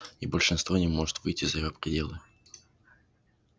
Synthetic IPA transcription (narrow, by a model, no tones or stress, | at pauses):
ibəlʲʂɨnst̪vo̞nʲɪmo̞ʐɨ̥t̪vɨjtʲːɪzɐjɪjopɾʲɪdʲe̞lˠɨ